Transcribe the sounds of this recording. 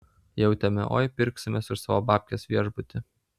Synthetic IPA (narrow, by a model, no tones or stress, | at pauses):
jɛʊt̪ʲɛmʲɛ̰ʔo̰ːjpʲɪɾʲˑksʲɪmʲesɪʃsɑːʋoːbɑːpʲkʲesʋʲiɛʒbʊt̪ʲɪ